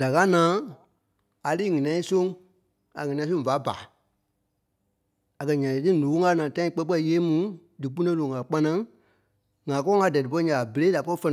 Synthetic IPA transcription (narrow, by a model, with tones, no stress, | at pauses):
d̥a˨ka˦nãː˨˦ | a˨liː˦ŋĩ˨nɛ̃˨˧ĩ˦sõ˦ŋ | a̰˨ŋĩ˨nɛ̃˧ĩ˦sõ˦ŋ˦va˨˦ba̰ː˨ | a˨kɜ˧ɲã˨tɨ˦˨nõː˨o˦ŋa˧˦nãː˨tã˦ĩ˧˦k͡pɛ˦k͡pɛ˦i˨˧jeː˦mũ˨˦dɨ˨k͡pu˦nẽ˦lõ˨ŋɡa˨k͡pa˧˦nã˦ | ŋã˨kɔ˦ŋa˧˦dɛ˨dɨ˨p̬ɔ˧˦i˦ɲã˨a˨be˨le˦da˨pɔ˦i˦fɛ˧ñ˨